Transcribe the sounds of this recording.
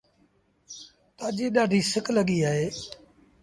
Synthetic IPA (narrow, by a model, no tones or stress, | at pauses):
t̪aːd͡ʒeːɗaːɖʱiːsɪkləɠiːaːɦeː